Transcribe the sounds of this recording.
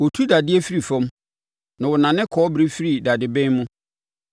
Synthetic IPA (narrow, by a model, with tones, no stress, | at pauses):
wɔ˨tʰu˦da˨dɪ˦æ˦fi˦ɾi˨fɛ̃˦m | nã˨wɔ˨nã˨nɪ̃˦kʰɔː˦bɾe˦fi˦ɾi˨da˨dɪ˨bɛ̃˦mʊ̃˦